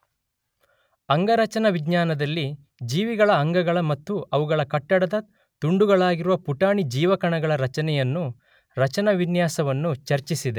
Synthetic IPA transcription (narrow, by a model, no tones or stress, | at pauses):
ɐŋɡɐɾɐt͡ʃɐnɐʋiɡɲaːnɐd̪ɐlːi | d͡ʒiːʋiɡɐɭɐːŋɡɐɡɐɭɐmɐt̪ːuɐʋuɡɐɭɐkɐʈːɐɽɐd̪ɐ | t̪uɳɖuɡɐɭaːɡiɾuʋɐpuʈaːɳid͡ʒiːʋɐkɐɳɐɡɐɭɐɾɐt͡ʃɐnɛjɐnːu | ɾɐt͡ʃɐnɐʋinjaːsɐʋɐnːut͡ʃɐɾt͡ʃisid̪e